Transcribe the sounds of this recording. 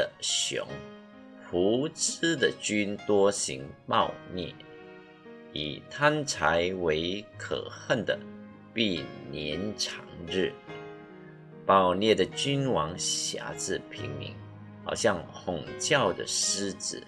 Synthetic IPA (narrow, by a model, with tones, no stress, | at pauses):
əɕjʊ̰˧˥˦ŋ | pʰu˧˥t͡s̩˥d̪ə˨t͡ɕy˥nt̪wɔ˥ɕḭ˧˥ŋpɑ˥˧ʊnjɛ̰˥˩ | ḭ˨˩t̪ʰa˥nt͡sʰa˧˦ɪwe˧˥ɪkʰɤ̰˨˩xə˥˩nd̪ə̰˩ | pi˥˩njɛ˧˥nʈ͡ʂʰɑ˧˥ŋɻɻ̩˥˩ | pɑ˥˩ʊnjɛ˥˩d̪ə˩t͡ɕy˥nwɑ˧˥ŋɕja̰˧˥t͡sɹ̩˥˩pʰḭ˧˥ŋmḭ˧˥ŋ | xɑ˨˩ʊɕjɑ˥˧ŋxʊ˨˩ŋt͡ɕjɑ˥˩ʊd̪ə̰˨˩ʂ̩˥t͡sɹ̩˨˩